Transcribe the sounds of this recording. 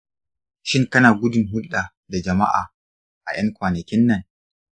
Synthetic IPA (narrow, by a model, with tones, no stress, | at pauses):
ʃɪ˦ŋkɐ˦naː˨ɡʷʊ˦dʊ˨ŋɦʊ˦lɗa˨ | da˨d͡ʒɐ˨ma̰˦ʔa̰ː˨ | ʔa˨j̰ɐ˦ŋkʷaː˨nɐ˨kʲɪ˦nːɐ˨ŋ